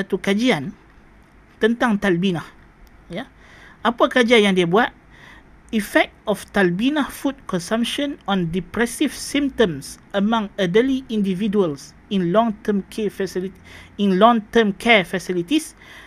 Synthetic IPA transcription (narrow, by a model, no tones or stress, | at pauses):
sat̪ukad͡ʒian | t̪ə̃nt̪ãŋt̪albinah | ja | ʔapakad͡ʒianjãŋdebuat̪̚ | ifɛk̚tɔft̪albinahfud̚kɔ̃nsãmpʃɔ̃nɔ̃ndipɾɛsifsĩmtə̃msəmãŋədəliʔĩndividuəls | ĩnlɔ̃ŋt̪əmkʰefəsiliĩnlɔ̃ŋt̪əmkʰɛfəsilit̪is